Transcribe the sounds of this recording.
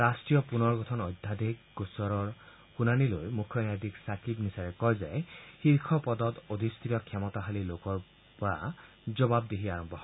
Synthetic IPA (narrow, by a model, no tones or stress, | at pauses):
ɾasʈɾijɔpunɔɾɡɔt̪ʰɔnɔjd̪ʱːad̪ʱekɡusɔɾɔɾ | hunanilojmukʰjɔnad̪iksakʰibnisaɾekɔɦezajhiɾkʰɔpɔd̪ɔd̪od̪ʱist̪ʰɾiɔkʰjamɔt̪aɦalilokɔɾ | ba | d͡ʒɔbab̚d̪eɦiaɾɔmbɔɦɔ